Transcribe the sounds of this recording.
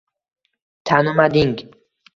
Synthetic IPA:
t̪ʰanumad̪iŋɡ

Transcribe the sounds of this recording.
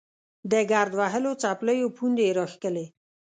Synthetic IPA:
d̪əɡaɾd̪waɦəlot͡sapləjopʰund̪eɾɑxkəle

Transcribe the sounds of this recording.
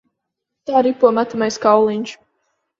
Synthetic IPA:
t̪aːɾipuɔmat̪amajskawlˠiɲʲʃ

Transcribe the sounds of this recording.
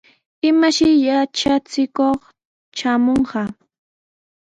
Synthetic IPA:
ɪmaʃɪjat͡ʃat͡sɪkoχ | t͡ʃamoɴɢɑ

